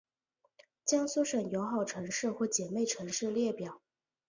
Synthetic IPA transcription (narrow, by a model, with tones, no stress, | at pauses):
t͡ɕjɑ˥ŋsu˥ʂə˨˩njo˧˥ʊxɑ˨˩ʊʈ͡ʂʰɤ˧˥ŋʂɻ̩˥˧xwɔ˥˩t͡ɕjɛ˨˩me˥˩ɪʈ͡ʂʰɤ˧˥ŋʂɻ̩˥˧ljɛ˥˩pjɑ˨˩˦ʊ